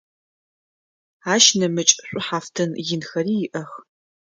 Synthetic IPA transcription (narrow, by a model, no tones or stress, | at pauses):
aːʃnɐmɨt͡ʃʼɕʷʼʊħaːftʰɐnjɪnxɐriːjɪʔɐx